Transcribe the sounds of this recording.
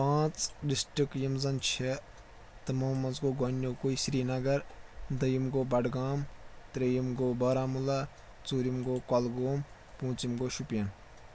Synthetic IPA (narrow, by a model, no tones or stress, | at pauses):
pãːt͡sɖisʈikjimzɐnt͡ʃʰe | t̪ɐmoːmɐzɡoːɡonʲːoːkoisɾiːnɐɡɐɾd̪ɐjimɡoːbɐɖɡaːmt̪ɾejimɡoːbɐːɾaːmula | t͡suːɾimɡoːkɔlɡoːm | pũːt͡simɡoːʃupjɐn